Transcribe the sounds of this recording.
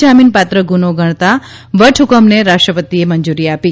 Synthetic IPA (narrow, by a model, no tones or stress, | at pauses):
aminpat̪ɾəɡunoɡʱəɳ̃t̪aʋəʈʰʊkəmneɾaʂʈɾəpət̪ieməɲd͡ʒuɾiapi